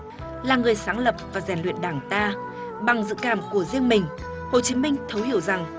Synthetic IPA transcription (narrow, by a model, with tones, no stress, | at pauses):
laː˨˩ŋɨ˨˩əjsaː˨˦ŋlə˨˩p̚vaː˨˩zɛ˧˩nlḭ˧˨ənɗaː˧˩ŋt̪aː˧ | ɓa˨˩ŋzɨ̰˧˨kaː˧˩mku˧˩əzi˧əŋmï˨˩ŋ̟ | ho˨˩t͡ɕi˨˦mï˧ŋ̟t̪ʰə˨˦whi˧˩əwza˨˩ŋ